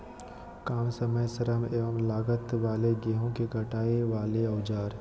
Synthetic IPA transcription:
kaːmsəməjsəɾəmeːʋəmlaːɡət̪ʋaːleɡeːɦõkeɡʱɐʈaːeʋaːleɐʊd͡ʒaːɾ

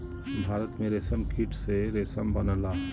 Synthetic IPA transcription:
bʱaːɾət̪mẽɾeːsəmkʰiʈʰseɾeːsəmbɐnəlaː

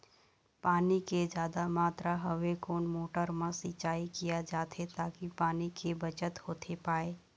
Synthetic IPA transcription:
paːniked͡ʒjaːd̪amaːt̪ɾaɦəʋekoːnmoːʈəɾmãsit͡ʃaːikijad͡ʒaːt̪ʰet̪aːkipaːnikebət͡ʃət̪hoːt̪ʰepaːeː

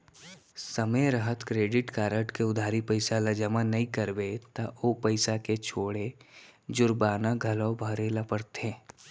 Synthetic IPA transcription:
sɐmeɾəɦət̪kɾeːɖɪʈkaːɾəʈkeʊd̪ʱaːɾipəɪsalɐd͡ʒəmanɐɦĩkɐɾʋet̪aʔoːpɐɪsaket͡ʃʰoːɽed͡ʒʊɾbaːnaɡʱɐlɔbʱəɾelapəɾt̪ẽː

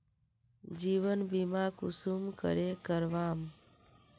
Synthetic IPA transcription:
d͡ʒiʋənbimakʊsumkə̰ɾekəɾʋaːm

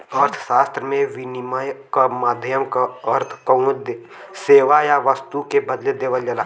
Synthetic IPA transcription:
əɾt̪ʰʃaːst̪ɾəmẽʋɪnmajkamaːd̪ʱjəmkaəɾt̪ʰkəʊd̪ | seːʋajaʋəst̪ukebɐd̪led̪eːʋəld͡ʒɐlaː

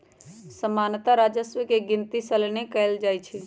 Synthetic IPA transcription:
səmaːnt̪aɾaːd͡ʒəsʋəkeɡɪ̃nt̪isəlnekəld͡ʒaːjt͡ʃʰi

